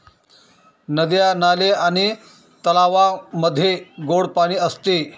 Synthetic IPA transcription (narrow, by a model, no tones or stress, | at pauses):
nəd̪janaleaɽ̃i | t̪əlaʋaməd̪ʱːjeɡoɽpaɽ̃iːəst̪e